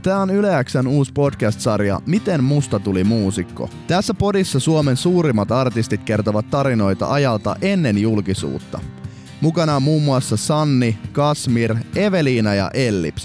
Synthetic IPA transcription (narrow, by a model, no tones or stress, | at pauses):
t̪æːo̞nyleæksænuːspo̞dk̟æst̪sɑɾjɑ̰mit̪emmust̪ɑt̪ulimuːsikːo̰t̪æsːæpo̞disːɑsuome̞nsuːɾimːɑt̪ɑrt̪ist̪it̪̚k̟e̞rt̪oʋɑt̪ːɑɾino̞jt̪ɑ̰ʔɑjɑlt̪ɑ̰ʔe̞nːe̞njulkisṵːt̪ːɑ̰ | mukɑnɑmːuːmːuɑsːɑsɑnːikɑsmire̞ʋe̞liːnɑjɑ̰ʔe̞lːḭps